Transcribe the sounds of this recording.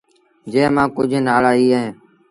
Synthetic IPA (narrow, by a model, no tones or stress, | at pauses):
d͡ʒẽːmãːkʊd͡ʒʱnaːɭaːiːəɦẽː